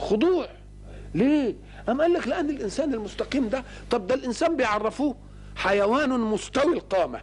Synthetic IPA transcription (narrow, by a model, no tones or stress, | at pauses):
xʊd̪ˤuːʕ | leː | ʔamʔalːaklɪʔanːɪlʔɪnsaːnɪlmʊst̪aqiːmd̪a | t̪ˤɑb̚d̪alʔɪnsaːmbɪjʕɑrˤːɪfuː | ħajawaːnmʊst̪awilqɑːma̰